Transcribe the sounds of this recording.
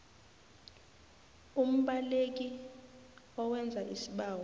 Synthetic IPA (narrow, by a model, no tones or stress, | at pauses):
um̩ɓalek̬i | ɔwɛnd͡zʱaʔisiɓaːwɔ